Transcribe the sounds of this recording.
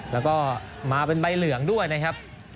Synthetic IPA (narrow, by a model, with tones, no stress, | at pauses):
lɛː˦˥wkɔː˥˩ | maː˧pe˧nba˧jlɯ˨˩˦əŋdu˥˩əjna˦˥kʰa˦˥p̚